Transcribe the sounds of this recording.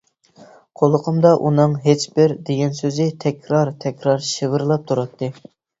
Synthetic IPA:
qʰolˠəqʰəmd̪ɑʔunɨŋɦet͡ʃbɪɾd̪eɡʲɛnsøzɪt̪ʰɛkʲɾɑɾt̪ʰɛkʲɾɑɾʃɨʁəɾlˠɑp̚t̪ʰuɾɑt̪ʰːɨ

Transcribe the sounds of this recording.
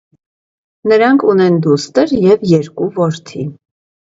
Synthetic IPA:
nəɾɑŋkʰunɛnd̪ust̪əɾjɛvjɛɾkuvɔɾt̪ʰi

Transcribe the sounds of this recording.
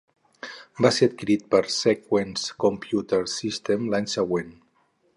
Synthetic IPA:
baseɾət̪̚kiɾit̪̚pəɾsekwenskompjut̪əɾsist̪emlaɲsəɣwen

